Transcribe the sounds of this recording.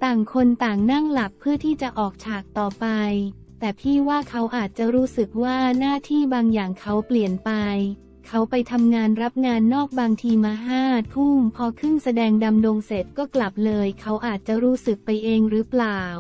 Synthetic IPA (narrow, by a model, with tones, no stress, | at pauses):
t̪aː˨˩ŋkʰo˧nt̪aː˨˩ŋna˥˩ŋla˨˩k̚pʰːɯ˥˩ət̪ʰiː˥˩t͡ɕa˨˩ʔɔː˨˩k̚t͡ɕʰaː˨˩k̚t̪ɔː˨˩pa˧j | t̪ɛː˨˩pʰiː˥˩waː˥˩kʰa˦˥wʔaː˨˩t̪̚t͡ɕa˨˩ɾuː˦˥sɯ˨˩k̚waː˥˩naː˥˩t̪ʰiː˥˩baː˧ŋjaː˨˩ŋkʰa˦˥wpli˨˩ənpa˧j | kʰa˦˥wpa˧jt̪ʰa˧mŋaː˧nɾa˦˥p̚ŋaː˧nːɔː˥˩k̚baː˧ŋt̪ʰiː˧maː˧ɦaː˥˩t̪̚pʰuː˥˩mpʰɔː˧kʰɯ˥˩ŋsa˧dɛː˧ŋda˧mdoː˧ŋse˨˩t̪̚kɔː˥˩kla˨˩p̚lɤː˧jkʰa˦˥wʔaː˨˩t̪̚t͡ɕa˨˩ɾuː˦˥sɯ˨˩k̚pa˧jʔeː˧ŋɾɯː˦˥plaː˨˩w